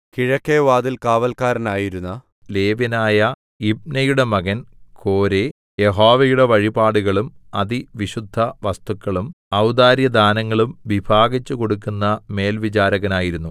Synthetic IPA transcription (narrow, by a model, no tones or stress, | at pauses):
kiɻɐkːeʋaːd̪ilkaːʋɐlkaːɾɐnaːjiɾunːɐ | le̞ːʋinaːjɐ | ib̚nɐjuɽe̞mɐɣɐnkʰo̞ːɾe̞ | je̞ɦoːʋɐjuɽe̞ʋɐɻibaːɽuɣɐɭumɐðiʋiɕud̪ʱːɐʋɐst̪ukːɐɭum | ɐwd̪aːɾjɐd̪aːnɐŋːɐɭumʋibʱaːɡit͡ɕːuko̞ɽukːunːɐme̞ːlʋit͡ɕaːɾɐɣɐnaːjiɾunːu